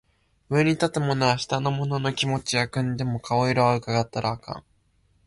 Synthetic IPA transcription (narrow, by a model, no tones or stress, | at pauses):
ɯ̟eɲ̟it̪at̪e̞mo̞noaɕi̥t̪ano̞mo̞no̞no̞kʲimo̞t͡ɕijakɯ̟̃nd̪e̞mo̞kʰao̞iɾaβaɯ̟kaɡat̪ːaɾʔaːkã̰ŋ